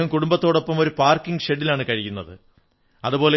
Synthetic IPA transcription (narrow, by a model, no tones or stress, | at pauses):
ɐmkuɽumbɐt̪ːo̞ːɽo̞pːɐmo̞ɾupaːrkiŋɡʂeɖilaːɳɨkɐɻijːunːɐðɨ̰ | ɐðupoːle